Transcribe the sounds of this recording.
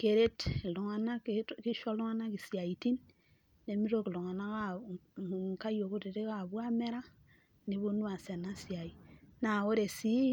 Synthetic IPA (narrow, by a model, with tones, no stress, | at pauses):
ke˨ɾe˦tlu˨ŋa˨na˦ki˦ʃɔ˦lu˦ŋa˦na˦ki˨si˨a˨i˨ti˦nː | e˨mi˦ɾo˦ki˨lu˨ŋa˨na˦ka˦˨ | ŋ˨ka˦jo˨ku˦te˨ɾe˦ka˨bwa˦me˦ɾa˦ | ne˨βo˦nu˦a˨se˨na˦si˨a˨i˨na˨o˦ɾe˨si˦